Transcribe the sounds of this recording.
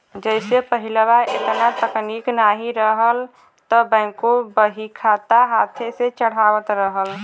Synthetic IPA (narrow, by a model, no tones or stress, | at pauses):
d͡ʒəɪsepəɦilwaʔḛt̪nat̪əkniknaɦiɾəɦəl | t̪ɔbə̃ɪkobəɦikʰat̪aɦat̪ʰeset͡ʃəɽ̤awət̪ɾəɦəl